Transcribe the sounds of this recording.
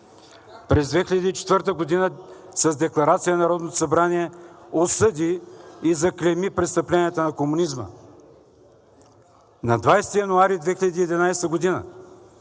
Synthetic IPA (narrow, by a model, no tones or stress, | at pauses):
pɾɛzd̪vɛxʲilʲəd̪iːt͡ʃɛ̥t̪vɤɾt̪əɡod̪inə | sɐzd̪ɛklˠɐɾat̪sijənɐɾɔd̪not̪o̥sɐbɾaniɛosɤd̪ʲiːzɐklʲɛmipɾɛt̪st̪əplʲɛnʲiət̪ənɐkomunizmə̰ | nɐd̪vajst̪ijɐnuaɾid̪vɛxʲilɐd̪iːd̪inajst̪əɡod̪inə̰